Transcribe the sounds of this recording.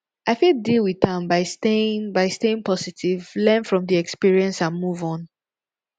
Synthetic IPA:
ʔaɪfildilˠwiðãmbaɪsteɪ̃ŋbaɪsteɪ̃ŋpʰɔsitʰivlɛ̃nfɹɔ̃mðiɛkspiɹiɛ̃nsãnmuvɔ̃n

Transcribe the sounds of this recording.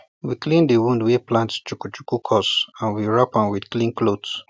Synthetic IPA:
wiklĩndiwũndweplãntt͡ʃukut͡ʃu̥kukʰɔsãnwiɹapãnwidklĩnklod

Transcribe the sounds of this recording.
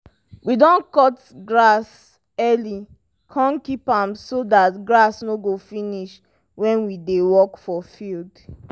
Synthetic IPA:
widɔ̃nkɔt | ɡɹas | ɛli | kʰãnkipãmsodatɡɹasnoɡofiniʃ | wɛ̃nwidewɔkfɔfild

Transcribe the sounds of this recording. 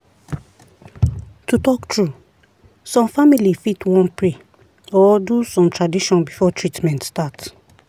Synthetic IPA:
tutɔktʰɹu | sɔ̃mfamilifitwɔ̃npɹe | ɔdusɔ̃mtɹadiʃɔ̃nbifɔtʰɹitmɛ̃ntstat

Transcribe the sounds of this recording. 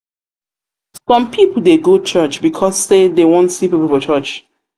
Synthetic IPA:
sɔ̃mpʰipl̩ˠdeɡot͡ʃʰɜt͡ʃbikʰɔsːedewɔ̃ntsipipəlˠfɔt͡ʃɜt͡ʃ

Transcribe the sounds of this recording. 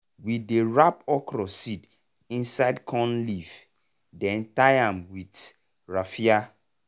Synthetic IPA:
wideɹapɔkɾɔsid | ĩnsaɪdkʰɔ̃nliv | dɛ̃ntajãmwit | ɹafia

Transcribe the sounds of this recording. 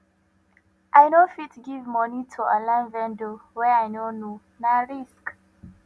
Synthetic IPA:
ʔaɪnofitɡivmɔnitʰualãɪ̃nvɛ̃ndowɛaɪnono | naɹisk

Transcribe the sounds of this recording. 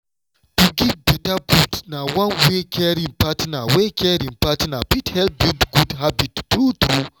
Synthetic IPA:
tuɡivbitaɡudnawãnwekʰɛɾĩŋpatnawekʰɛɾĩŋpatnapithɛlbidɡudɦabittɾut̪ɾu

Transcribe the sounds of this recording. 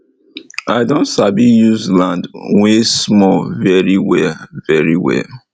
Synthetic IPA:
aɪdõntsabijuzlãndwesmɔvɛɹiwɛvɛɹiwɛ̰

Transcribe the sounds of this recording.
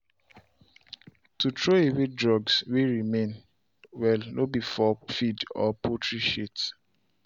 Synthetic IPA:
tutʰɹoewedɹɔɡsweɹimẽn | wɛlnʔobifɔfidɔ̰pʰotʰɹiʃit

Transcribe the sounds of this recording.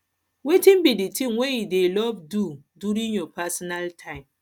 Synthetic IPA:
wetĩnbiditʰĩŋwejudelɔvdudjuɾĩnjɔpasɔnaltʰãɪ̃m

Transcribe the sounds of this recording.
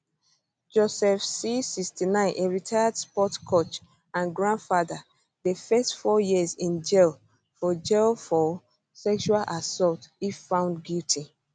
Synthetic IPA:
d͡ʒosɛfsisikstinãɪ̃nʔeɹitʰajadspɔtkʰot͡ʃ | ãnɡɹãndfada | ðəfɛstfɔjizĩnd͡ʒɛl | fɔd͡ʒɛlfɔ | sɛkʃualʔasɔltifːãʊ̃ndɡjutʰi

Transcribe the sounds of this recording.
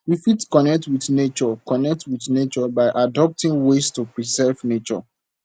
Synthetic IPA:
wifitkɔnɛk̚twiθnet͡ʃɔkɔnɛk̚twiθnet͡ʃɔbaɪʔadɔp̚tĩŋwestupɹisɛvnet͡ʃɔ̰

